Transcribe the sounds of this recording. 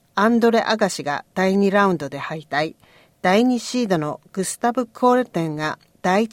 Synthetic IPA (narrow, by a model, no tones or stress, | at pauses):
ãnd̪o̞ɾeʔaɡaɕiɡa̰d̪̥aiɲ̟iɾaɯ̟̃nd̪o̞d̪e̞hait̪ai | d̪̥aiɲ̟iɕiːd̪o̞no̞ɡ̥ɯ̟sɨ̥t̪abɯ̟kʰːoːɾɯ̟t̪ẽ̞ŋɡa | d̪̥ai